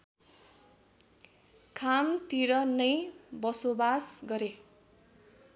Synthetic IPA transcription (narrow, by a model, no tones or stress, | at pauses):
kʰamt̪iɾʌnʌjbʌsobasɡʌɾe